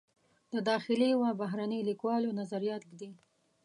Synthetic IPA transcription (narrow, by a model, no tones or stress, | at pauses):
d̪̥əd̪ɑxɪliwabaɦɾanəjlikwɑlonazaɾijɑt̪̚ɡd̪i